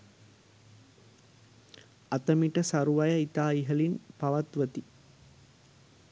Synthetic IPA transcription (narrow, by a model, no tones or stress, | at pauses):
at̪əmiʈəsaɾuʋajəit̪aːiɦəlinpaʋat̪ʋət̪i